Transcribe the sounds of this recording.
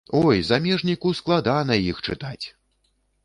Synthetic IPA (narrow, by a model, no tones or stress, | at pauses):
ɔjzamʲɛʐnʲikusklˠad̪anɐjixt͡ʂɨt̪at͡sʲ